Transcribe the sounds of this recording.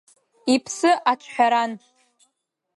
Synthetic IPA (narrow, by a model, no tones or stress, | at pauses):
ipʰsɨʔat͡ʃʷʰħʷᶣaɾan